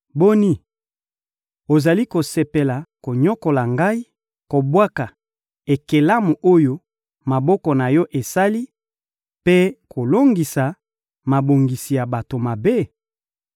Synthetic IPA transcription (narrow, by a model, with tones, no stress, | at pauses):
bo˦ni˦ | o˨za˨li˦ko˨se˨pe˨la˨ko˨ɲɔ˦ko˨la˨ŋɡa˦i˦ | ko˨bwa˦ka˨ | e˨ke˨la˦mu˨ʔo˦jo˦ | ma˨bɔ˦kɔ˨na˨jɔ˦ʔe˨sa˦li˦ | pe˦kʰo˨lo˦ŋɡi˨sa˨ | ma˨bo˨ŋɡi˨si˨ja˨ba˨to˨ma˨be˦